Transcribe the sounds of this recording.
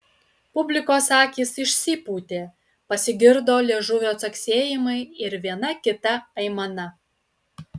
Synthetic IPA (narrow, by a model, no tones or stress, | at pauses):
pʊbʲlʲɪkoːsɑːkʲiːsɪʃʲsʲiːpuːt̪ʲeː | pɐsʲɪɡʲɪɾd̪oːlʲeɛʒʊʋʲoːt̪sɐksʲeːjɪmɐɪɪɾʋʲiɛnɐkʲɪt̪ɐɐɪmɐnɐ